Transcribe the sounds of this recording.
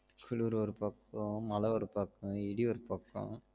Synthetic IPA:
kʰʊluɾɯɔɾɯpɐkːɔ̃mɐlɐɔɾɯpɐkːɐ̃ɪɽiɔɾɯpɐkːɔ̰̃

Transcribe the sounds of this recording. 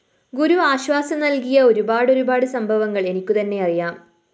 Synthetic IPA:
ɡuɾuaːɕʋaːsɐmnɐlkijɐo̞ɾubaːɽo̞ɾubaːɽɨsɐmbʱɐʋɐŋːɐɭe̞nikʲːut̪ɐnːe̞ɐrijaːm

